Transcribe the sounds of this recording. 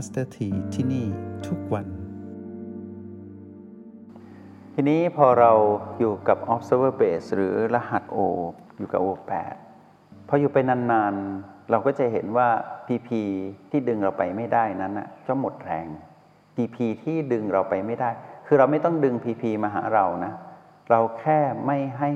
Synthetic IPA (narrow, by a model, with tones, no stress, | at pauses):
a˦˥st̪a˧t̪ʰiː˨˩t̪ʰiː˥˩niː˥˩t̪ʰu˦˥k̚wa˧n | t̪ʰiː˧niː˦˥pʰɔː˧ɾa˧wjuː˨˩ka˨˩p̚ʔɔ˦˥p̚sɤː˧˥bɤː˥˩peː˨˩sɾɯː˩˦la˧ha˨˩t̪̚ʔoː˧ | juː˨˩ka̰˨˩ʔoː˧pɛ̰ː˨˩t̪̚ | pʰɔː˧juː˨˩pa˧jnaː˧nːaː˧nɾa˧wkɔː˥˩t͡ɕa˨˩ɦe˩˦nwaː˥˩pʰiː˧pʰiː˧t̪ʰiː˥˩dɯ˧ŋɾa˧wpa˧jma˥˩jdaː˥˩jna˦˥nʔa̰˨˩t͡ɕɔ˥˩mo˨˩t̪̚ɾɛː˧ŋ | t̪iː˧pʰiː˧t̪ʰiː˥˩dɯ˧ŋɾa˧wpa˧jma˥˩jdaː˥˩jkʰɯː˧ɾa˧wma˥˩jt̪ɔ˥˩ŋdɯ˧ŋpʰiː˧pʰiː˧maː˧ɦa̰ː˩˦ɾa˧wna˦˥ | ɾa˧wkʰɛː˥˩ma˥˩jɦa˥˩j